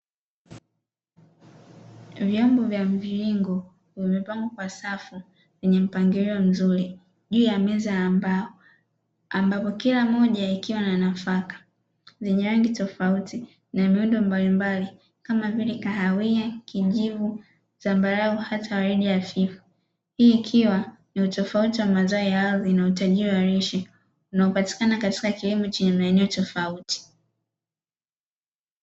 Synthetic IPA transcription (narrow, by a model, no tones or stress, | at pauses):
vjɔmbɔvjam̩viɾiŋɡɔ | vɛmipaŋɡɔkwasafu | vɛɲɛm̩paŋɡiɾiɔm̩zuɾi | ʄuːjamɛzaba | ambapɔkilamɔʄaikiwananafakḁ | zɛɲɛwɛŋɡitɔfauti | namiundɔmbalimbali | kamavilɛkaɦawiakʰiʄivu | zambaɾauhatʰawaɾiɗijafifu̥ | hiːkʰiwaniutɔfautiwamazaɔjaaðinautaʄiɾiwaɾiʃɛ | unaɔpati̥kanakati̥kakilimɔt͡ʃɛɲɛmaɛnɛɔtɔfauti̥